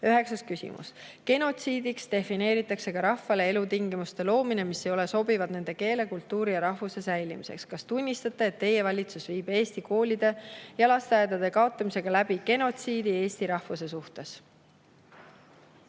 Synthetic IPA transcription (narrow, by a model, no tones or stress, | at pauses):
øɦe̞ksɑskysʲḭmṵske̞no̞t̪siːd̪ikst̪e̞fine̞ːɾit̪ːˑɑkse̞kɑɾɑhːɑle̞elut̪iŋɡimust̪e̞lo̞ːmine̞misːejo̞le̞so̞bivɑd̪ne̞nd̪̥e̞ke̞ːle̞kult̪ːuːɾijɑɾɑhvuse̞sæjlimise̞̰kskɑst̪unʲːist̪ɑt̪ːˑe̞ːt̪ːe̞je̞vɑlʲit̪susviːb̥e̞ːst̪iko̞ːlʲid̪e̞jɑlɑst̪eɑjd̪ɑd̪̥e̞kɑo̞t̪ˑːɑmise̞ɡ̥ɑlæb̥iɡe̞no̞t̪siːd̪ie̞ːst̪iɾɑhvuse̞suht̪e̞s